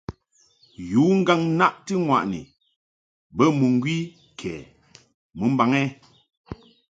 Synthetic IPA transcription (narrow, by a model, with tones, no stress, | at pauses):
ju˨˦ŋ̩˦ɡa˦ŋ˦na˦ʔtɨ˦ŋwa˨ʔnḭ˨ | bə˦mu˨ŋ˦ɡwi˦ | kʰɛː˨ | mɨ˨˦m̩˦ba˨ŋɛ˦